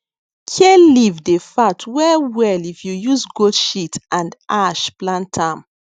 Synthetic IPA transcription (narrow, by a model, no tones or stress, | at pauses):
kʰelivdefatwɛwɛlifjujuzɡoʃitʔãndaʃplãntʰãm